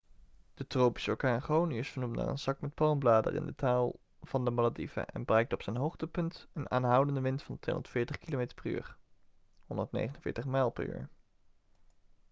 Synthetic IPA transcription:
d̥ətrowpi̥səɔkaːχowniɪsfəɹnumtna̰ːrə̰nzɑkmɛt̚pɑlmblaːdə̰rɪ̰ndətaːlˠ | v̥ɑndəmaladivə̰ʔɛ̰nbərɛjk̚tɔpsɛjnɦowχtəpɵntəna̰ːnɦʌwdəndəʋɪntfɑntʋḛjɔ̰ndətfɪːɹtəχkilomejtə̥ɹpəry̰ːr | ɦɔndətnḛjχənənvɪ̰ːɹtəχmɛjlˠpə̰ry̰ːɹ

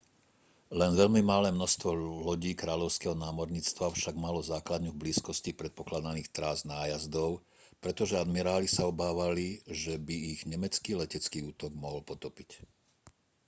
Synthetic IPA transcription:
lɛnʋɛʎmimalɛːmnɔst̪ʋɔlɔɟiːkɾaːʎɔʊskɛɦɔnaːmɔɾɲiːt͡st̪ʋafʃaɡmalɔzaːklad̪ɲuvbliːskɔscipɾɛt̪̚pɔklad̪aniːxt̪ɾaznaːjazd̪ɔʊ | pɾɛt̪ɔʒɛad̪miɾaːlisaɔbaːʋaliʒɛbiːɣɲɛmɛt͡skiːlɛcɛt͡skiːuːt̪ɔɡmɔɦɔlpɔt̪ɔpic

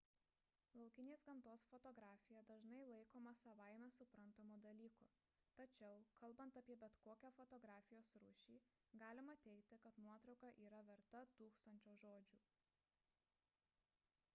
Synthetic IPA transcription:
lˠɐʊkʲɪnʲeːsɡɐnt̪oːsfɔt̪ɔɡɾaːfʲɪjɛd̪ɐʒnɐɪlˠɐɪkoːmɐsɐʋaˑɪmʲɛsʊpɾɐnt̪ɐmuːd̪ɐlʲiːkʊ | t̪ɐt͡ʃʲɛʊkʰɐlˠbɐnt̪ɐpʲiɛbʲɛt̪koːkʲæfɔt̪ɔɡɾaːfʲɪjoːsɾʊ̰ʃʲiːɡɑːlʲɪmɐt̪ʲɛɪkt̪ʲɪkɐt̪nuɔt̪ɾɒʊkɐʔiːɾɐʋʲɛɾt̪ɐt̪uːkst̪ɐnʲt͡ʃʲoːʒoːd͡ʒʲuː

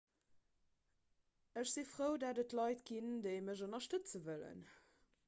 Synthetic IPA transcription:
əɕz̥ifʁəʊdaːdətlɑɪtɡindəɪməʒonɐʃtət͡səvələ̰n

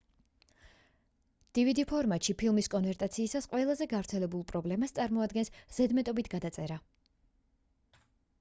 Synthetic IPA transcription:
d̪̥ivid̪ipʰɔɾmat̪ʃipʰilˠmiskʼɔnvɛɾt̪ʼat̪sʰiːsasqʼwɛlˠazɛɡavɾt̪sʰɛlɛbulˠpʼɾɔblɛmast̪sʼaɾmɔad̪ɡɛnsz̥ɛd̪mɛt̪ʼɔbit̪ʰɡad̪at̪sʼɛɾa

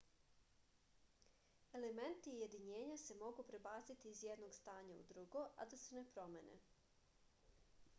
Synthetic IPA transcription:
e̞lement̪iːje̞d̪iɲeːɲase̞mo̞ɡupɾe̞baːt̪sit̪iːzjɛd̪noɡst̪aːɲaṵd̪ɾuɡoʔa̰d̪ase̞ne̞pɾo̞mḛnḛ

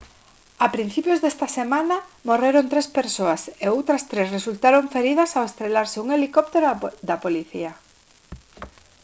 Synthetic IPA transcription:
apɾin̟θipjozðest̪ɐsemãnamoreɾont̪ɾespeɾsoɐseowt̪ɾɐst̪ɾesresult̪aɾoɱfeɾiðɐsawest̪ɾelaɾsɪuŋelikop̚t̪eɾod̪ɐpoliθḭa

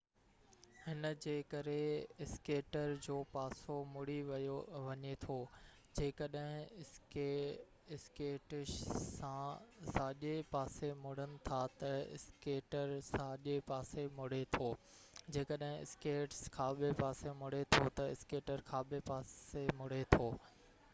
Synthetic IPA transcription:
hɪnd͡ʑeːkɐɾeɪskeːʈəɾd͡ʑoːpaːsomʊɽ̤iʋɐjoʋɐɲet̪ʰoː | d͡ʑeːkɐɗɦɪ̃ | ɪskeːʈɪʃsãsaːʄepaːsemʊɽ̤ənɪ̆t̪ʰat̪ɐɪ̰skeːʈəɾsaːʄepaːsemʊɽ̤et̪ʰoː | d͡ʑeːkəɗɦɪ̃ɪ̰skeːʈskʰaːɓepaːsemʊɽ̤et̪ʰot̪ɐɪskeːʈəɾkʰaːɓepaːsemʊɽ̤et̪ʰoː

